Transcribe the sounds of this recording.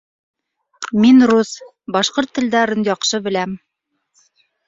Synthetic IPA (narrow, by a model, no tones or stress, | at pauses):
minrus | bɑʃqoɾt̪ːɘ̆ld̪æɾɘnjɑqʃɤbɘ̆læm